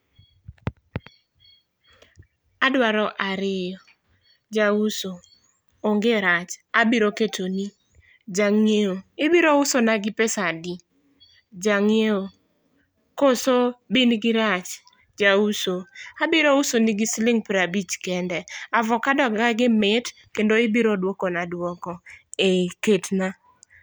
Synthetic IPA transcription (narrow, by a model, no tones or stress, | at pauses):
adwaɾɔʔaɾɪjɔ | d͡ʒauso | oŋɡeɾat͡ʃabiɾoketʰoni | d͡ʒaŋeoebiɾoʊsonaɡɪpɛsadi | d͡ʒaŋeo | kosobinɡɪɾat͡ʃ | d͡ʒausoabiɾousoniɡɪslɪŋpɾabit͡ʃkɛndɛavɔkadɔɡaɡɪmɪt | kendoɪbiɾodwokɔnadwɔkɔeketna